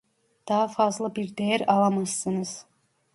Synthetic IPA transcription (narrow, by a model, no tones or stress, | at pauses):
d̪̥ɑɦɑfɑzlˠɯbiɾd̪ejæɾɑlˠɑmɑsːɯnɯz̥